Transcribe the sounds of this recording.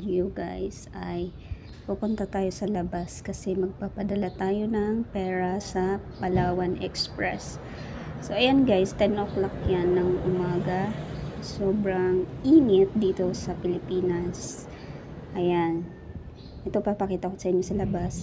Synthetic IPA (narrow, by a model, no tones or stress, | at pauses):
juɡa̰jsʔɐj | pupʊnt̪at̪aːjo̞sɐlɐbaskɐsɛmɐɡ̚papɐd̪ɐlat̪aːjo̞nɐŋpɛːɹɐsɐpɐlaːwɐnʔɛ̰kspɹɛ̰sː | o̞ʔɐjanɡajst̪ɛnʔoklakjanːɐŋʔʊmaːɡɐsoːbɾɐŋʔiːŋɪt̪̚d̪iːt̪o̞sɐpɪlɪpiːnɐs | ʔɐjan | ʔɛt̪o̞pɐɡ̚pɐkiːt̪ɐkosɐʔɪɲːosɐlɐbas